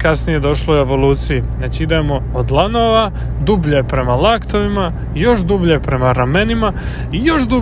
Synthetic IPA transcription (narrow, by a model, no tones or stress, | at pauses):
kasnije̞d̪o̞ʃloe̞ʋo̞luːt̪sijinaːt͡ɕiid̪eːmo̞ːd̪lˠanoʋa | d̪ubʎepɾe̞malaːkt̪oʋima | ijo̞ʃd̪ubʎepɾe̞maɾame̞nima | ijo̞ʃd̪u